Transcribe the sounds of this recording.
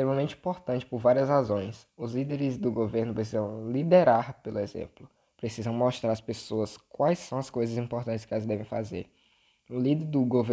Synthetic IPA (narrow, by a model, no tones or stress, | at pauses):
st̪ɾẽmɐmẽnt͡ʃɪĩpoɾt̪ɐ̃t͡ʃɪ̥pʊɾvaɾiɐszhazõj̃s | ʊzlid̪eɾɪzd̪ʊɡoveɾnʊpɾes̬izɐ̃w̃lid̪eɾaɾpelʊezḛ̃mplʊ | pɾesizɐ̃w̃moʃt̪ɾaɾɐspesoɐskwajsːɐ̃w̃ɐskojzɐzĩmpoɾt̪ɐ̃nt͡ʃɪ̥skɪɛlɐzd̪ɛvẽj̃fa̰zḛɾ | ʊlid̪eɾd̪ʊɡove